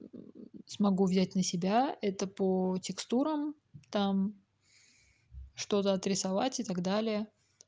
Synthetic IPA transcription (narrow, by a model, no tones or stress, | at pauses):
smɐɡuvʲzʲæt̚ʲnəsʲɪbʲaɛt̪əpətʲɪkst̪uɾəm | t̪am | ʂt̪o̞t̪əɐt̪ɾʲɪsɐva̰tʲɪt̪ɐɡd̪alʲɪjə